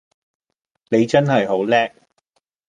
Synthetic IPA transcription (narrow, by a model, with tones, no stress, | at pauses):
ne˨˧jt͡sɐ˥nhɐ˨jɦo˨˥wlɛː˥k̚